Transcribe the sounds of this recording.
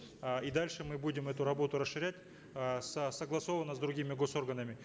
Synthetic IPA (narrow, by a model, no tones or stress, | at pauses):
id̪alʲʂɨmɨbudʲɪmɛt̪ʊɾɐbo̞t̪ʊɾəsʂːɨɾʲætʲ | səsəɡlˠɐso̞vənːəzd̪ɾʊɡʲimʲɪɡo̞so̞rɡənəmʲɪ